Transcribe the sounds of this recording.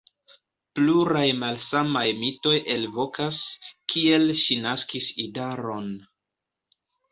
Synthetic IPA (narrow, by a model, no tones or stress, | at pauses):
pluɾajmalsamajmito̞jʔe̞lvo̞kaskʰie̞lʃinaskisidaɾo̞n